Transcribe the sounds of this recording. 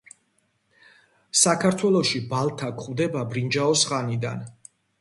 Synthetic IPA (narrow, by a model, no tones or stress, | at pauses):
sakʰaɾt̪ʰwɛlˠɔʃibalˠt̪ʰakʰχvd̪ɛbabɾind͡ʒaɔsχanid̪a̰n